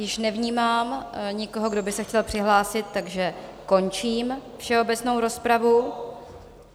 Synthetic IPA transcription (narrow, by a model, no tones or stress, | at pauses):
jɪʃnɛvɲiːmaːmɲɪkoɦoɡdo̞bɪsɛxcɛlpr̝̥ɪɦlaːsɪt̪ːaɡʒɛko̞nt͡ʃiːmfʃɛo̞bɛt͡sno̞wɾo̞spɾavu